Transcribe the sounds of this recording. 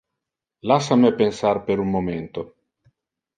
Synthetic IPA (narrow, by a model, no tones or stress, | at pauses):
lasamepensarpeɾunmoment̪o